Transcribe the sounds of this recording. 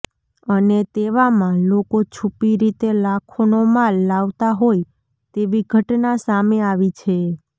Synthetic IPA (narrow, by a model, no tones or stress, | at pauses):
ənet̪eʋamãlokot͡ʃʰupiɾit̪elakʰonomalːaʋt̪aɦoj | t̪eʋiɡʱəʈnasameaʋit͡ʃʰe